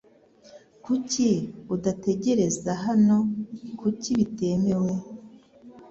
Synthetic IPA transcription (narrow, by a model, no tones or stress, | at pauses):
kuciudate̞ɟe̞ɾe̞zaɦano̞kuciβite̞me̞we̞